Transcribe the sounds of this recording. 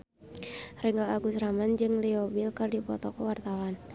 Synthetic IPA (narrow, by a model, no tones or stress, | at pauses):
riŋɡaʔaɡusɾamand͡ʒɨŋliɔbilkɨrdipɔt̪ɔkɔwart̪awan